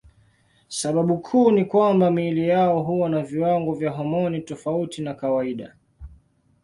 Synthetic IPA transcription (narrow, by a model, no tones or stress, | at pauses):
saɓaɓukʰuːnikwambamilijaɔɦuwanaviwaŋɡɔvjaɦɔmɔnitɔfautinakawaiɗa̰